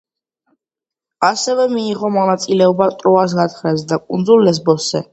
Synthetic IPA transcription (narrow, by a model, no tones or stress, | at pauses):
asɛvɛmiːʁɔmɔnat̪sʼilɛɔbat̪ʼɾɔas̬ɡat̪ʰχɾɛsd̪akʼund̪zulːɛs̬bɔsɛ